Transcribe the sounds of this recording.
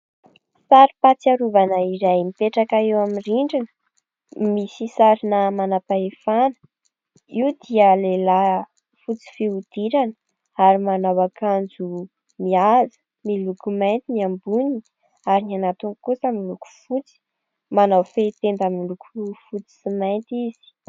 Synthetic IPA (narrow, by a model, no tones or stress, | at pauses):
saɾipat͡siaɾuvanəiɾajmipeʈ͡ʂakaewamiriɳɖ͡ʐinə | misisaɾinəmanapaefanə̥ | iwd̪iəlela | fut͡si̥feud̪̥iɾanə̥ | aɾimanawakand͡zu | miazə̥ | milukumajnt̪iniambuni | aɾinianat̪uŋkusamiluku̥fut͡si̥ | manawfet̪end̪amilukufut͡si̥simajnt̪iz̥i̥